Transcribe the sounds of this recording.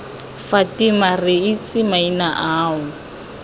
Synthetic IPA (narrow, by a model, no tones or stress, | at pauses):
fatimarɪit͡sʼɪmainaʔaːʊ